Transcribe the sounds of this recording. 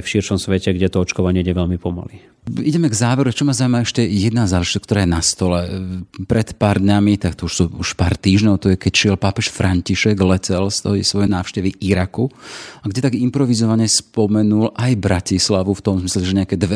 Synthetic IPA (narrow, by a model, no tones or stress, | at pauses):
fʃiɾʃɔmsʋɛcɛɡɟɛt̪ɔɔt͡ʃkɔʋaɲɪɛiɟɛʋɛʎmipɔma̰li | iɟɛmɛɡzaːʋɛɾut͡ʃɔmazaumaɛʃcɛjɛd̪nazaːɛʒit̪k̚t̪ɔɾaːjɛnast̪ɔlɛpɾɛt̪paːɾd̪ɲamit̪akt̪ɔuʃsuuʃpa̰ːɾt̪iːʒɲɔʊt̪ɔjɛkɛcʃɪɛlpapɛʃfɾaɲciʃɛɡlɛcɛlst̪ɔisʋɔjɛnaːʊʃcɛʋiʔiɾakuaɡɟɛt̪aɡimpɾɔʋizɔʋaɲɛspɔmɛnulʔajbɾacislaʋuft̪ɔmzmislɛʒɛɲɛakɛd̪ʋɛ